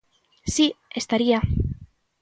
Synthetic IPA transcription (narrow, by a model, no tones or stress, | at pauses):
siest̪aɾia